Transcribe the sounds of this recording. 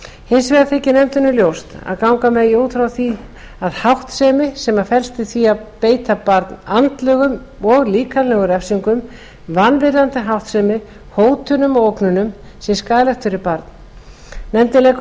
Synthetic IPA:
hɪnsvɛːɣaθʰehcɪnɛmt̪ɪnʏljowst̪a̰ðkawŋkamɛðioːt̪ʰfɾawθi | aðhawht̪sɛːmɪsɛmafɛl̥st̪ɪθviaðpeːjt̪apaɾt̪nant̪lœːɣʏm | ɔɣliːkanlɛɣʏɾɛfsiŋkʏm | vanːvɪɾant̪ɪɦawht̪sɛmɪ | hoːwt̪ʰʏnʏmɔowknʏnʏm | sɛskaːlɛxt̪ʏɾɪpaɾt̪n | nɛmt̪ɪlɛ

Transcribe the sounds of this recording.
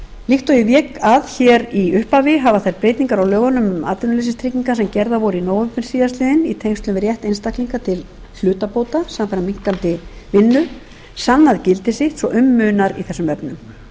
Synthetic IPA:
lixt̪ɔjɪvjɛːkaðçɛɾiʏhpavɪɦaːvaθajɾpɾeːjt̪niŋkaɾawlœːɣanʏmʏma̰ːt̪ʏnʏlesɪst̪ʰɾɪcːiŋkasɛmcɛɾðavɔɾʏinoːwʏmfɪɾ̥siːðast̪lɪːðɪnit̪ʰejŋst̪lʏmvɪɾjɛht̪ejnst̪ahkliŋkat̪ʰɪl | l̥ʏːt̪apoːwt̪asamafajɾamiŋ̥kant̪ɪvɪnːʏ | sanːaðcɪlt̪ɪsɪht̪sɔʔʏmːʏːnaɾḭθɛsːʏmvɛpnʏm

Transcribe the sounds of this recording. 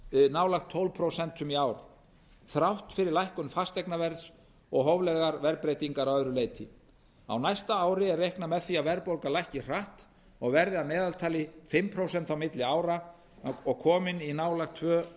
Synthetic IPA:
naːwlaxt̪ʰːowlpʰɾowsɛnt̪ʏmiaːwɾ | θɾawht̪fɪɾɪɾlajhkʏnfast̪ɛjknavɛɾðs | ɔɣɦɔwvlɛðɣaɾvɛɾpɾejt̪iŋkaɾawœðɾʏleːjt̪ʰɪ̰ | a̰wnajst̪aaːwɾɪɛɾːejhknamɛðθiavɛɾpowlkalajhcɪr̥aht̪ | ɔɣvɛɾðɪamɛːðalt̪ʰaːlɪfɪmpʰɾowsɛnt̪awmɪt̪lɪaːwɾa | ɔɣkʰɔːmɪninaːwlaxt̪ʰvœː

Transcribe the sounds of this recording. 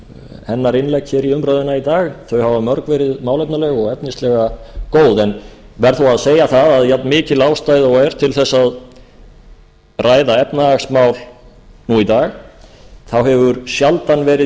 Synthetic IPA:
hɛnːaɾɪnlɛjkçɛːɾiʏmpɾaːðɪnait̪aːɣθœɥhavamœɾkvɛːɾɪðmaːwlɛp̚nalɛɣɔɣɛpnɪst̪lɛɣakoːwðɛnvɛɾ̥θuaðseːjaθaðaðjat̪nmɪːcɪlaːwst̪aːjðɔɛɾ̥t̪ʰɪlθɛsːað | raːjðaɛpnaaksmaːwl | nuit̪aːɣ | θawɦɛvʏɾsjalt̪anvɛːɾɪ

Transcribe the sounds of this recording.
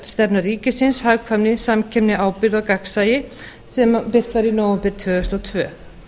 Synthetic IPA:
st̪ɛpnariːcɪsɪnshaɣkʰvamnɪsamcʰɛpnɪaːwpɪɾðɔwkaksajɪ | sɛmapɪr̥t̪faɾinoːwɛmpɪɾ̥t̪ʰvœːðʏst̪ɔt̪ʰvœː

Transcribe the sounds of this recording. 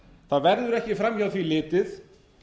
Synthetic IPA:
θaðvɛɾðʏɾɛhcɪfɾamjawθvilɪːt̪ɪθ

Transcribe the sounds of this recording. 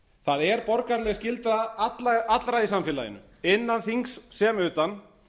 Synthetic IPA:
θaðɛɾpɔɾkaɾlɛɣscɪlt̪ɾaat̪laat̪lɾaisamfɪːla̰jɪ̰nʏ̰ | ɪnːanθiŋksːɛmʏːt̪an

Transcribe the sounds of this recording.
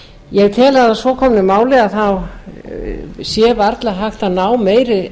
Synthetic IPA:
jɛɣt̪ʰɛːlaðasɔːkʰɔmnɪmaːwlɛɣaθaw | sjɛvaɾt̪laɦaxt̪anaːwmeːjɾɪ

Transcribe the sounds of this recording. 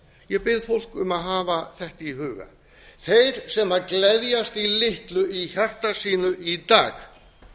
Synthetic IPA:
jɛpɪðfowl̥kʏmaðɦaːvaθɛht̪ɪiɦʏːɣa̰ | θejɾ̥sɛmaɾklɛðjast̪ilɪht̪lʏiçar̥t̪asiːnʏʔit̪a̰ːx

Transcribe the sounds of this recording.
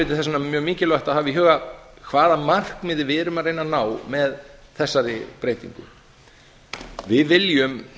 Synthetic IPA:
ɪjt̪ɪ̥θɛsanamjœːɣmiːcɪlɔht̪aðhavɪɦœːɣa | kʰvaːðamar̥kmɪːðɪvɪɛɾʏmareːjnanaːwmɛðθɛsːaɾɪ̰pɾeːjt̪ḭŋkʏ̰ | vɪðvɪljʏm

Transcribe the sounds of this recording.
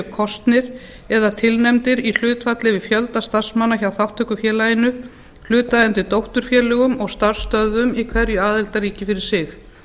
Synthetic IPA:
kʰɔst̪nɪɾ | ɛðat̪ʰɪlnɛmt̪ɪɾil̥ʏːt̪fat̪lɪvɪfjœlt̪ast̪ar̥smanːaçawθawht̪ʰœkʏfjɛːlajɪnʏ | l̥ʏːt̪aðɛnt̪ɪɾt̪owht̪ʏɾ̥fjɛːlɛɣʏmɔɣst̪ar̥st̪œðʏmikʰvɛɾjʏaːðɪlt̪aɾiːcɪfɪɾɪɾ̥sɪx

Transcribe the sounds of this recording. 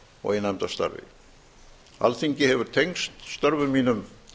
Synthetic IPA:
ɔ̰ɣɪnːɛmt̪ast̪a̰ɾvɪ̰ | a̰lθiɲcɪhɛvʏɾ̥t̪ʰejŋst̪st̪œɾvʏmiːnʏm

